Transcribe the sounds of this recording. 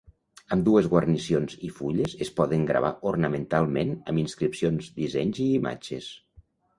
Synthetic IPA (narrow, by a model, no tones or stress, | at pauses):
əmd̪uezɣwərnisionzifuʎezespɔðəŋɡɾə̰β̞a̰ʔornəment̪alˠmenəminskɾipsionzd̪izɛɲziːma̰d͡ʒḛs